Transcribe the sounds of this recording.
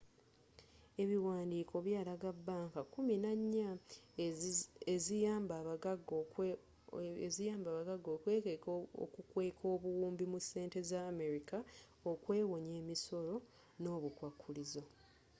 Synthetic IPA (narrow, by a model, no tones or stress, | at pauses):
e̞βiwaːndiːkʰo̞βjaːlaɡabːaːŋkakuminaɲːa | ezijaːmbaβaɡ | zijaːmbaːβaɡaɡːo̞ːkweːko̰kukwe̞ːkʰo̞ːβuwuːmbimuse̞ːnte̞zaːme̞ɾika | okwe̞ːwo̞ɲe̞ːmiso̞ɾo̞ | no̞ːβukwakʰːulizo̞